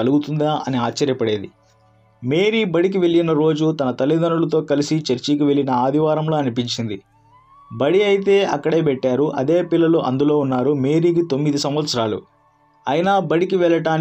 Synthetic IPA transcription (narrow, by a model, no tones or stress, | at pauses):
ɐluɡut̪und̪aʔɐniaːt͡ʃːɐɾjɐpɐɽe̞ːd̪i | me̞ːɾibɐɽik̬iʋe̞ɭːinɐɾo̞ːd͡ʒut̪ɐnɐt̪ɐlːid̪ɐnulɐt̪̬o̞ːkɐlisit͡ʃɐɾt͡ʃikiʋe̞ɭinɐaːd̪ʱiʋaːɾɐmlo̞ːɐnipiɲt͡ʃind̪i | bɐɽiɐjit̪̬e̞ːɐ̰kːɐɽe̞ːpɛʈːaːɾuʔɐ̰d̪e̞ːpilːɐluʔɐ̰nd̪ulo̞ːunːaːɾume̞ːɾiːk̬it̪o̞mːid̪isɐ̃mʋɐt̪sɐɾaːlṵ | ɐjinaːbɐɽikiʋɛɭɐʈaːn